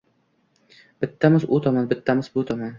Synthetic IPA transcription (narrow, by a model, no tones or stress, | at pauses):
b̥ɪt̪ʰːamɪzʊt̪ʰɒmanbɪt̪ːamɪzbʊt̪ʰɒman